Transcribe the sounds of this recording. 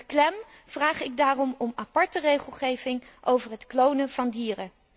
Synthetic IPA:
klɛm | v̥raːχɪɡ̚daːrɔmɔmapɑɹtərejχəlˠχejvɪŋʔowvəɹɦətklownəv̥ɑndiːrə

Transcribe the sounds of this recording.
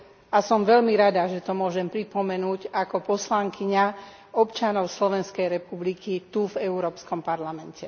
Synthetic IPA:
ʔasɔmʋɛʎmiɾad̪aʒɛt̪ɔmʊɔʒɛmpɾipɔmɛnuːɟakɔpɔslaŋkiɲa | ɔpt͡ʃanɔʊslɔʋɛnskɛjɾɛpublikit̪uvɛuɾɔːpskɔmpaɾlamɛncɛ

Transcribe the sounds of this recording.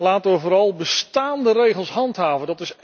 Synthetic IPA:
laːtəʋəvoːɾɑlˠbəstaːndərejχəlˠsɦɑntɦaːvəndɑtɪs

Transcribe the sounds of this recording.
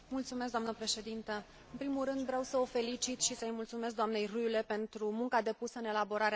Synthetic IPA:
mult̪sumes̬kd̪oamnəpɾe̞ʃe̞d̪int̪ə | ɨnpɾimulrɾɨnd̪vɾeawsəo̞fe̞litt͡ʃit̪ʃisəjmult̪sume̞s̬kd̪amne̞jrujle̞pe̞nt̪ɾumuŋkad̪e̞pusəɨne̞labo̞ɾaɾe

